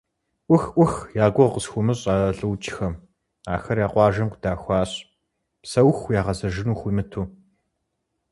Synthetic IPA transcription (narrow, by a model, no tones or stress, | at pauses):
ʔʷʊxʔʷʊxjaːɡʷʊqəsxʷʊmɨɕʼaːɐɬʼɨwt͡ʃʼɪxɐm | aːxɐrjaːqʷɑːʒɐmqʷd̥aːxʷɑːɕʼ | psɐwxjaːʁɐzɐʒɪnuːxʷiːmɨtʰuː